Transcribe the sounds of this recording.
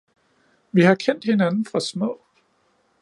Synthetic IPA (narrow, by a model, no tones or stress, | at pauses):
ʋihɑ̈kʰen̰d̥he̝nænn̩fʁɑ̈smɔ̰ʊ̰